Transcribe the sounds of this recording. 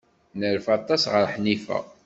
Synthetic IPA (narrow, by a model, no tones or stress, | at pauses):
nəɾfɑt̪ˤːɑsʁəɾħnifæ̰